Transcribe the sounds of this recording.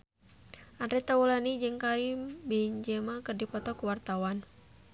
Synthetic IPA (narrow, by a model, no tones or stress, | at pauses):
ʔanɾɛt̪awulanid͡ʒɨŋkaɾimbɛɲd͡ʒɛmakɨrdipɔt̪ɔkuwart̪awan